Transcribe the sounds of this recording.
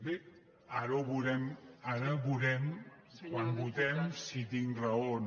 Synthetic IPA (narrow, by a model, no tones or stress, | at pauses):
e | aɾuβuɾɛmaɾəβuɾɛm | kwanbut̪ɛmsit̪iŋrəon